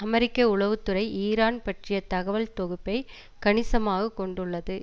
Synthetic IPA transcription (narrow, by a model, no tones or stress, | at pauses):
ɐmɛɾɪkːɐʊɭɐʋɯt̪ːɯɾɐɪʔiːɾaːnpɐʈrɪjɐt̪ɐɣɐʋɐlt̪ɔɣɯpːɐɪ | kɐɳɪsɐmaːɣɐkɔɳɖɯɭːɐðɯ